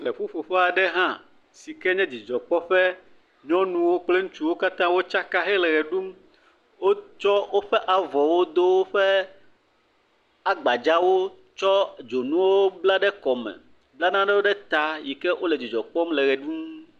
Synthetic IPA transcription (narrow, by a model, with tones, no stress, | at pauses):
le˨ɸu˦fo˨ɸe˦a˨ɖɛ˦ɦã˦ | si˨kɛ˦ɲɛ̃˦d͡ʑi˨d͡ʒɔ˨k͡pɔ˦ɸɛ˦ | ɲɔ̃˦nũ˦wo˦k͡ple˦ŋũ˦t͡ʃu˦wo˦ka˦t̪ã˦wo˦t͡ʃa˦ka˦ɦɛ˦lɛ˨ɣɛ˨ɖu˦m | wo˦t͡ʃɔ˦wo˦ɸɛ˦ʔa˨vɔ˨wo˦d̪o˦wo˦ɸɛ˦ | a˦ɡ͡ba˨d͡ʒa˦wo˦ | t͡ʃɔ˦d͡ʒo˨nũ˦wo˦bla˦ɖɛ˦kɔ˨mɛ̰̃˨ | bla˦nã˦ɖɛ˦wo˦ɖɛ˦t̪a˨ji˨kɛ˦ʔo˦le˨d͡ʑi˨d͡ʒɔ˨k͡pɔ˦mlɛ˨ɣɛ˨ɖu˦m